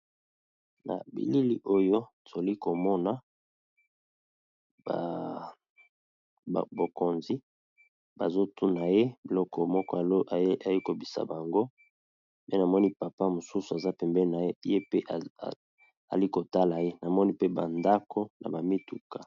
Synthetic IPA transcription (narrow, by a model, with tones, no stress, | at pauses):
na̰˨bḭ˨li˦li˦ʔo˦jo˦a˨zo˨li˦ko˨mɔ˦na˨ | ba˨ | bo˨ko˨nzi˦ | ba̰˨zo˦tʰu˦na˨je˦bi˨lɔ˦kɔ˨mɔ˦kɔ˦a˨lo˦ʔa˨ji˦ko˨bi˨sa̰˨ba˨ŋɡo˦ | me˦na˨mɔ˦ni˦pa˨pa˦mo˨su˦su˨a˨za˦pɛ˨mbɛ˦na˨˦je˦pe˦ʔ | a̰˨li˦ko˨ta˦la˨je˦na˨mɔ˦ni˦pe˦ba̰˨nda˦ko˦nʔa̰˨ba˨mi˦tu˨ka˨